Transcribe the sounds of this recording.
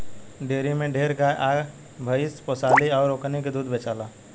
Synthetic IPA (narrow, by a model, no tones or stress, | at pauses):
ɖeːɾimẽɖʱeːɾɡaʔaː | bʱəɪsposaːliɔːɾːoːkniked̪uːd̪beːt͡ʃaːlaː